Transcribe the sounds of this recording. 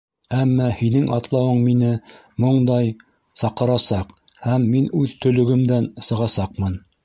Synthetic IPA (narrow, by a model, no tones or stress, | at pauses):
æmːɑhinɘŋʔɑt̪lˠɑwɤɴminɘ | moɴd̪ɑj | sɑqɤ̆ɾɑsɑq | hæmːinʉðt̪ɵ̆lɵ̆ɡɘ̆md̪ænsɤ̆ʁɑsɑq̚mɤn